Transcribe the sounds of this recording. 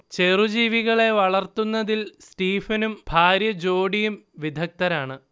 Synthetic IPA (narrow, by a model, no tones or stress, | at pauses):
t͡ɕe̞rud͡ʑiːʋiɣɐɭe̞ʋɐɭɐrt̪unːɐðilsʈiːfɐnumb̥ʱaːɾjɐd͡ʑo̞ːɽijumʋid̪ʱɐk̚t̪ɐɾaːɳɨ